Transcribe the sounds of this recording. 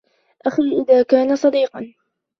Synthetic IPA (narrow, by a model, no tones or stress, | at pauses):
ʔaxiːʔɪðaːkaːnasˤɑd̪iːqɑn